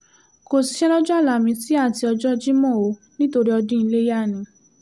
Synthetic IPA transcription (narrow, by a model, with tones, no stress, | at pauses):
ko˨si˨˦ʃɛ˦lɔ˦d͡ʒɔ˦a˦˨la˨mĩ˧ti˦a˦˨ti˧ɔ˧d͡ʒɔ˦d͡ʒi˦mɔ̃˦˨o˧ | nĩ˦to˧ɾi˦ɔ˧dĩ˦i˧le˦ja˦˨nĩ˨˧